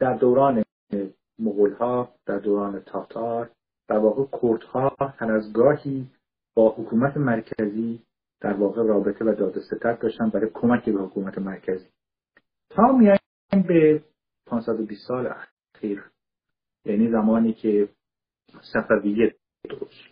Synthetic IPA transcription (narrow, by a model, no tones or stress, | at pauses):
d̪̥æɾd̪owɾɑːne | moɣolhɒːd̪̥æɾd̪oːɾɑːnet̪ʰɒːt̪ʰɒːɾ | d̪̥æɾvɒːɣekʰoɾd̪hɒːh̪ʰæɾæzɡɒːhiː | b̥ɒːhokʰuːmæt̪ʰemæɾcʰæziː | d̪̥æɾvɒːɣeɾɒːbet̪ʰevæd̪ɒːd̪eset̪ʰæt̪̚d̪ɒːʃt̪ænbæɾɔkʰo̞mæcʰibehokʰuːmæt̪ʰemæɾcʰæziː | t̪ʰɒːmiæ | nbe | pʰɑːnsæd̪obiːst̪sɒːlḛæ | xiːɾ | jæːniːzæmɒːniːcʰe | sæfævijːæt̪̚ | d̪ebɒːʃ